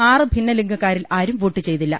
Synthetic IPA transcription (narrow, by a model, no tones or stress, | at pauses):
aːrɨbʱinːɐliŋɡɐkːaːɾilaːɾumʋuːʈːɨt͡ɕe̞jt̪ilːɐ̰